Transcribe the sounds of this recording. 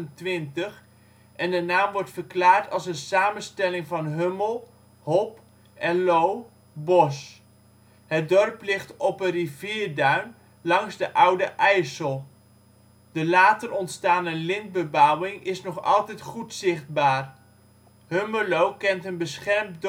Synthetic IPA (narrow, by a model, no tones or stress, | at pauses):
əntʋɪntəχ | ʔɛndənaːmʋɔɹtfəɹklaːɹtɑlˠsənsaːmənstɛlɪŋvɑnɦøməlˠ | hɔp | ʔɛnlow | bɔs | ɦət̚dɔrplɪχtɔpənriviːɹdœɥn | lɑŋzdəʔʌwdəʔɛjsəlˠ | d̥əlaːtərɔntstaːnəlɪnd̚bəbawɪŋʔɪsnɔχɑ̰lˠtɛjtχutsɪχd̚baːr | hɵməlowkɛntənbəsχɛrmd